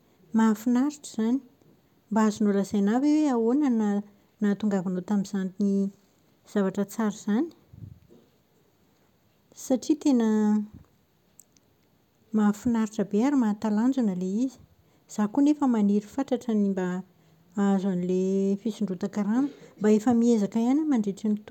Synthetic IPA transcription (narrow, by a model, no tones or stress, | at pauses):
mafinaɾiʈ͡ʂəz̥ani̥ | mbaazunoləzajnaweweawonana | nat̪uŋɡavanot̪amiz̥ant̪ini | z̥avaʈ͡ʂət͡saɾiz̥ani̥ | saʈ͡ʂit̪enə | mafinaɾiʈ͡ʂəbeaɾimat̪aland͡ʒunəleizi̥ | z̥akunefəmaniɾifaʈ͡ʂaʈ͡ʂənimba | azanilefisiɳɖ͡ʐut̪akaɾaməmbaefəmiezakajanamaɳɖ͡ʐeʈ͡ʂinit̪u